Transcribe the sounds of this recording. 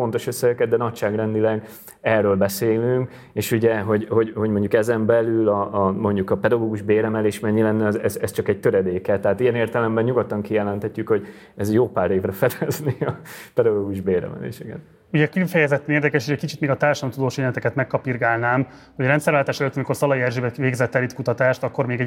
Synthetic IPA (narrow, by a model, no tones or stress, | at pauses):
fo̞nt̪o̞ʃøsːɛɡɛkɛd̪d̪ɛnɒcʃaːɡrɛnd̪ilɛɡ | ɛrːøːlbɛseːlyŋk | eːʃuɟɛɦo̞ɟho̞ɟho̞ɟmo̞ɲɟukɛzɛmbɛlylɒːmo̞ɲɟukɒpɛd̪ɒɡoːɡuʒbeːɾɛmɛleːʃmɛɲːilɛnːɛɒzɛzɛst͡ʃɒkɛɟ̚t̪øɾɛd̪eːkɛt̪ːɛɦaːt̪ijɛneːrt̪ɛlɛmbɛnɲuɡot̪ːɒŋkijɛlɛnt̪hɛcːykho̞ɟ | ɛzjoːpaːɾeːvrɛfɛd̪ɛzneɒpɛd̪ɒɡoːɡuʒbeːɾɛ̰mɛ̰lḛːʃɛɡɛ̰t̪ | uɟɛkifɛjɛzɛt̪ːɛneːrd̪ɛkɛʃeʃɛckit͡ʃit̪meːɡɒt̪aːrʃɒmt̪ud̪oːʃeɛnɛt̪ɛkɛt̪mɛkːɒpirɡaːlnaːm | ho̞ɟrɛnt̪sɛɾʋaːlt̪aːʃɛløːt̪ːɒmiko̞rsɒlɒjiɛrʒeːbɛveːɡzɛt̪ːɛlit̪kut̪ɒt̪aːʃt̪ɒkːo̞rmeːɡɛ